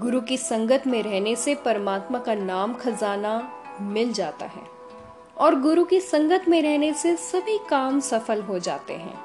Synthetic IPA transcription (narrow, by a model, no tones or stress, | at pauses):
ɡʊɾukisɐ̃ŋɡət̪ʰmẽɾɛɦnesepɐɾəmaːt̪makanaːmkɐzaːna | mɪld͡ʒaːt̪a̰ɦɛ̰ː | ɔːɾɡʊɾukisɐ̃ŋɡət̪ʰmẽɾɛɦnesesɐbʱikaːmsɐfəlɦod͡ʒa̰ːt̪ḛɦɛ̰̃ː